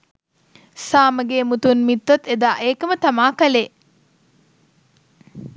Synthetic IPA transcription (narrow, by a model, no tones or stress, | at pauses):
saːməɡeːmut̪unmit̪ːɐt̪ːed̪aːʔeːkəmət̪ɐmaːkɐle